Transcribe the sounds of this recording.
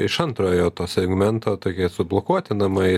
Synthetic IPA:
ɪʃɐnt̪ɾoːjoːt̪oːsʲɛɡmʲɛnt̪oːt̪oːkʲiɛsʊblˠoːkuɔt̪ʲɪnɐmɐɪ

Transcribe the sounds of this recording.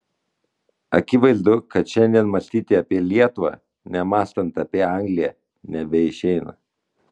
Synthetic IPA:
ɐ̰kʲɪʋɐɪzd̪ʊkɐt̪ʃʲɛnʲd̪ʲiɛnmɐsʲt̪ʲiːt̪ʲɪɐpʲiɛlʲiɛt̪ʊʋɑ̰ | nʲɛmɑːst̪ɐnt̪ɐːpʲiɛɑŋʲɡlʲɪjɛ | nʲɛbʲɛɪʃʲɛɪnɐ̰

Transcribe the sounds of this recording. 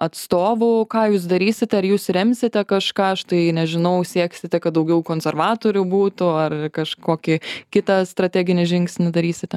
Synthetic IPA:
ɐt̪st̪oːʋʊkɑːjuːsd̪ɐɾʲiːsʲɪt̪ʲɛɐɾjuːsɾʲɛmʲsʲɪt̪ʲɛkɐʃkɑːɐʃt̪ɐɪnʲɛʒʲɪnɐʊsʲiɛksʲɪt̪ʲɛkɐt̪̚d̪ɐʊɡʲɛʊkoːnʲsʲɛrʋɑːt̪oːɾʲʊbuːt̪ʊɐrkɐʃkoːkʲɪkʲɪt̪ɐst̪ɾɐt̪ʲæːɡʲɪnʲɪʒʲɪŋksʲnʲɪd̪ɐɾʲiːsʲɪt̪ʲɛ

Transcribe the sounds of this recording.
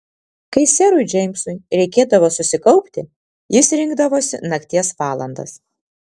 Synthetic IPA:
kɐɪsʲɛɾʊɪd͡ʒʲɛɪmʲsʊɪɾʲɛɪkʲeːd̪ɐʋoːsʊsʲɪkɒʊpʲt̪ʲɪ | jɪsɾʲɪŋɡd̪ɐʋoːsʲɪ̰nɐkt̪ʲiɛsʋɑːlˠɐ̰nd̪ɐ̰s

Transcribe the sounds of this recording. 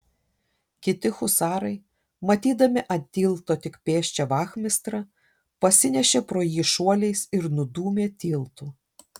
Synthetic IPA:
kʲɪt̪ʲɪxʊsɑːɾɐɪ | mɐt̪ʲiːd̪ɐmʲɪʔɐt̪ʲiːlˠt̪oːt̪ʲɪkpʲeːʃʲt͡ʃʲɛʋɑːxʲmʲɪst̪ɾɐ | pɐsʲɪnʲɛʃʲeːpɾoːjiːʃuɔlʲɛɪsɪɾnʊd̪uːmʲeːt̪ʲiːlˠt̪uː

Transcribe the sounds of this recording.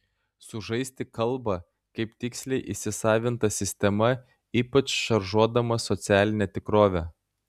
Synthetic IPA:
sʊʒɐɪsʲt̪ʲɪkɐlˠbɐ | kɐɪpt̪ʲɪksʲlʲɛɪʔɪʃʲsʲɪsɑːʋʲɪnt̪ɐsʲɪsʲt̪ʲɛmɐ | iːpɐt͡ʃʃɐɾʒuɔd̪ɐmɐsɔt̪sʲæːlʲɪnʲɛt̪ʲɪkɾoːʋʲɛ

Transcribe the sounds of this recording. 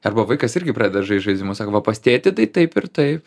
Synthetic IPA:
ɐrbɐʋɐɪkɐsɪɾʲɡʲɪpɾɑːdʲɛd̪ɐʒɐɪʒɐɪzʲdʲɪmoːsɑːkoʋɐpɐsʲt̪ʲeːt̪ʲɪt̪ɐɪt̪ɐɪpɪɾt̪ɐɪp

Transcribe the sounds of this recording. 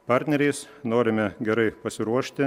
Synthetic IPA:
pɑɾʲt̪ʲnʲɛɾʲɛɪs | noːɾʲɪmʲɛɡʲɛɾɐɪpɐsʲɪɾuɔʃʲt̪ʲɪ

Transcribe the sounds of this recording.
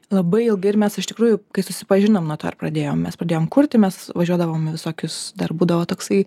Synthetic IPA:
lˠɐbɐɪɪlˠɡɐɪrmʲɛsɪʃt̪ʲɪkɾuːjʊkɐɪsʊsʲɪpɐʒʲɪnomnuɔt̪oːɪ̰ɾprɐd̪ʲeːjoːmmʲɛspɾɐd̪ʲeːjoːmkʊɾʲt̪ʲɪmʲɛsʋɐʒʲuɔd̪ɐʋoːmɪʋʲɪsoːkʲʊsd̪ɐrbuːd̪ɐʋoːt̪oːksɐɪ

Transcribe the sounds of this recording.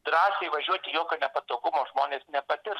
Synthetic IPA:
d̪ɾɑːsʲeɪʋɐʒʲuɔt̪ʲɪjoːkʲoːnʲɛpɐt̪oːɡʊmoːʒmoːnʲeːsnʲɛpɐt̪ʲɪɾ

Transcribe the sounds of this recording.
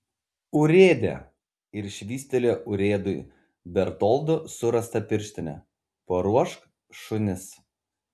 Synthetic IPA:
ʊɾʲeːd̪ʲḛː | ɪɾʃʲʋʲiːsʲt̪ʲɛlʲoːʔʊɾʲeːd̪ʊj | bʲɛɾt̪ɔlˠd̪ʊsʊɾɐst̪ɐpʲɪɾʲʃʲt̪ʲɪnʲɛ̰ | poːɾuɔʃk | ʃʊnʲɪs

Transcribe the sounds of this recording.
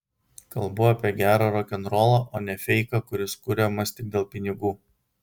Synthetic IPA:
kɐlˠbʊɐːpʲiɛɡʲæːɾoːɾɔkʲɛnɾoːlˠoʔoːnʲɛfʲɛɪkɐkʊɾʲɪskʊɾʲemɐsʲt̪ʲɪɡ̚d̪ʲeːlˠpʲɪnʲɪɡuː

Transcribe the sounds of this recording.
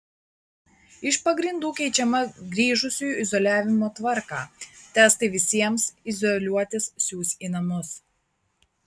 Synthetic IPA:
ɪʃpɐɡɾʲɪnd̪uːkʲɛɪt͡ʃʲɛmɐɡɾʲiːʒʊsʲujuɪzɔlʲæːʋʲɪmoːt̪ʋɐɾkɑːt̪ʲæːst̪ɐɪʋʲɪsʲiɛmsɪzɔlʲuɔt̪ʲɪssʲuːsʲiːnɐmʊs

